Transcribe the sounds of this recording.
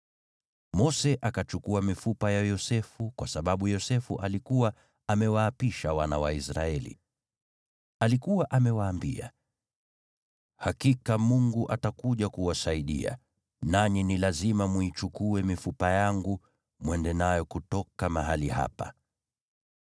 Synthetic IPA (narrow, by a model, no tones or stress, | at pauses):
mɔsɛʔakat͡ʃukuamifupajajɔsɛfukwasaɓaɓujɔsɛfṵʔalikuwa | amɛwaːpiʃawana̰wa̰isɾaɛlḭ | alikuwaʔamɛwaːmbḭa̰ | hakikamuŋɡuʔatakuʄakuwasaiɗḭa̰ | naɲinilazimamwit͡ʃukuɛmifupajaŋɡu | mwɛndɛnajɔkutɔkamaɦaliha̰pa̰